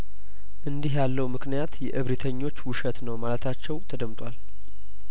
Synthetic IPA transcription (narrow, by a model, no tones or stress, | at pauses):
ʔɨnd̪iɦjalːəwmɨknijat̪jɛʔɨβɾit̪ʰəɲːo̞t͡ʃːwʊʃət̪nəwmalət̪ʰat͡ʃːɛwt̪ʰəd̪əmt̪ʼwal